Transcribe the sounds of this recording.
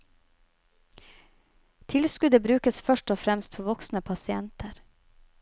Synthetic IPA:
t̪ʰɪlskʉd̪əbɾʉːkəsfœʃʈɔfɾɛmst̪̚pʰoːʋɔksnəpʰɑsɪɛnt̪ʰəɾ

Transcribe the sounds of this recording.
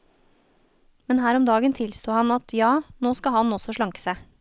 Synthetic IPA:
mɛnhæːɾɔmd̪ɑːɡənt̪ʰɪlst̪uːhɑnɑt̪ʰjɑːnoːskɑhɑnɔsɔʃɭɑŋksə

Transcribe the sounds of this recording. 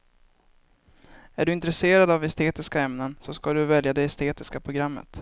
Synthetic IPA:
æɖɵɪnt̪ɾɛseːɾad̪avɛst̪eːt̪ɪskaɛmnənsɔskaɖɵvɛljad̪ɛɛst̪eːt̪ɪskapʰɾʊɡɾamːə̰t̪

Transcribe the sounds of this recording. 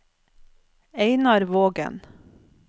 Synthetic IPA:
eɪnɑɾʋoːɡə̰n

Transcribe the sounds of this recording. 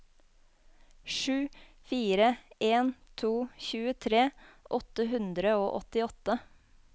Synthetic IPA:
ʃʉː | fiːɾəeːnt̪ʰuːçʉːət̪ʰɾeːʔɔt̪əɦʉnd̪ɾəoːʔɔt̪ɪɔt̪ə

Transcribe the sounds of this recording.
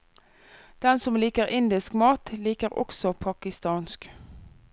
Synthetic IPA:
d̪̥ɛnsɔmliːkəʁɪnd̪ɪskmɑːt̪liːkəʁɔ̰ksɔpʰɑkɪst̪ɑːnsk

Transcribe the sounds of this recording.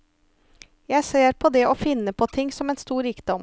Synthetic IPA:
jæɪseːɾpʰɔd̪ɛːʔoːfɪnəpʰoːt̪ʰɪŋsɔmeːnst̪uːɾiːkd̪ɔm

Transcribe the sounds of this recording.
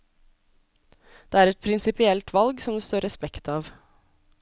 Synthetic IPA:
d̪̥eːæːɾɛt̪̚pʰɾɪnsɪpɪɛlt̪ʰʋɑlɡsɔmd̪ɛːst̪oːɾɛspɛkt̪ɑːʋ

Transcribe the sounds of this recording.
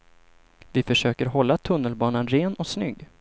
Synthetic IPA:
vɪfœʂøːkəɾɦɔlːat̪ʰɵnːəlbɑːnanɾeːnɔsnʏɡː

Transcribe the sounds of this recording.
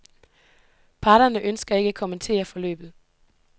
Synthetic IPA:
pʰɑ̈ːɾ̥ɐnəʔønsɡ̥ɐe̝ɡ̥əækʰoment͡sʰe̝̰ːɐfɒ̽lø̰ːb̥ð̩ˠ

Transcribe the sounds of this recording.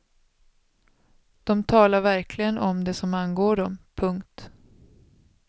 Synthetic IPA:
d̪̥ɔmt̪ʰɑːlaɾvæɾkʰlɪɡənʔɔmd̪ɛsɔmanɡoːɖɔmpʰɵŋkt̪

